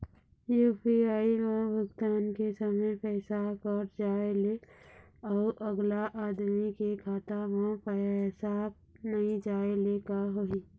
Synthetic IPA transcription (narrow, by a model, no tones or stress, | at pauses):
juːpiaːiʋãbəɡt̪aːnkesəməjpɛːsakəɾd͡ʒaːele | ɔːʔəɡlaʔaːd̪mikekʰaːt̪aʋãpɛsaːb̚ | nɐɦĩd͡ʒaːelekaɦoi